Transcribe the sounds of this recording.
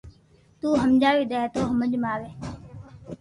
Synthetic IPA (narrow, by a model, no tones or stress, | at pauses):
t̪uːɦəmd͡ʒaːʋiːɗ̪eːet̪oːɦəməd͡ʒmaːʋeː